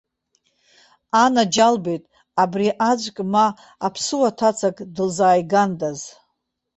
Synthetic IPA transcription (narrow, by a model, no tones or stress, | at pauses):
anad͡ʒalbejtʼ | abriʔad͡ʒʷʼkʼmaː | pʰsɨwatʰat͡sʰakʼdɨlzaːjɡandaz